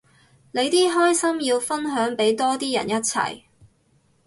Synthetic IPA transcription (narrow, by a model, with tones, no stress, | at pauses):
ne˨˧jt̪iː˥ɦɔː˥jsɐ˥mjiː˧wfɐ˥nɦœː˨˥ŋpe˨˥jt̪ɔː˥t̪iː˥jɐ̰˨˩njɐ˥t̚t͡sʰɐ̰˨˩j